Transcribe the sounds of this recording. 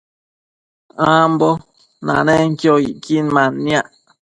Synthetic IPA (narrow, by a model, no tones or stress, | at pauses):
ãmbɔ | nã̰nɛŋ̩kjɔiʔkinmãnːiaʔ